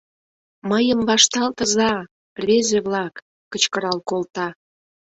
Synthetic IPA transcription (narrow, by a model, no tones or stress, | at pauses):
məjəmβɑʃt̪ɑlt̪ə̆zɑ | vezeβlɑkː | ət͡ɕkəɾɑlkolt̪ɑ